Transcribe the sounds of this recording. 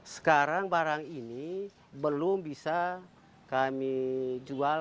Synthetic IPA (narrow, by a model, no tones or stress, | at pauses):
sə̥kaɾaŋbaɾaŋini | bəlʊmbisa | kamid͡ʒua